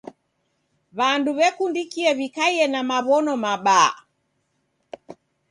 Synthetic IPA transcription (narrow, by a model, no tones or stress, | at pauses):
βanduβɛkundikiɛβikaiɛnamaβɔnɔmaɓa